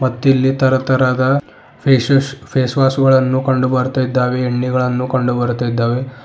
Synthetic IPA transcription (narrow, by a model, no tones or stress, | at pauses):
mɐt̪ːilːit̪ɐɾɐt̪ɐɾaːd̪ɐ | pʰeːsɐpʰeːsʋaːsuɡɐɭɐnːukɐɳɖubɐɾt̪ajid̪ːaːʋeːɳːiɡɐɭɐnːukɐɳɖubɐɾut̪ajid̪ːaːʋe̞